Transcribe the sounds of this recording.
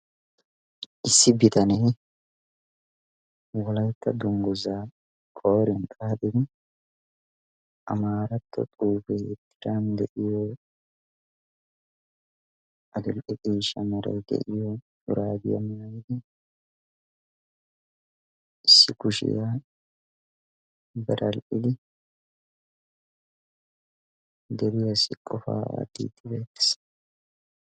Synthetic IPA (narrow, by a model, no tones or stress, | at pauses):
ʔɪsːɪbɪt̪ɐnɛ | wɔlɐjt̪ːɐd̪ʊŋɡɔza | kʼoːɾɛnkʼaːt̪ɪd̪ɪ | ʔɐ̰maːɾɐt̪ʰːɔ̰t̪ʼuːfɛhḛt̪ːɪ̥d̪and̪ɛʔɪjɔ | ʔɐd̪ʊlʔɪtʼiːʃɐmɐɾḛːɡ̪ɛ̰ʔɪjoː | ʊɾaːd̪ɪɐmɐjɪlɪ | ɪsːɪkʊʃɪ̰jaː | bɐɾɐlʔɪlɪ | d̪ɛɾɪjɐsɪkʼːɔfa̰ːt̪ːḭːt̪ʰːɪbeːt̪ːɪ̥s